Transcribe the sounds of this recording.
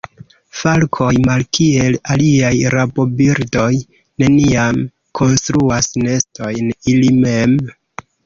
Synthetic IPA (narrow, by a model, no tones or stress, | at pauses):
falkʰo̞jmalkie̞laliajɾabo̞biɾdo̞j | ne̞niam | kʰo̞nstɾuasne̞sto̞jnilime̞m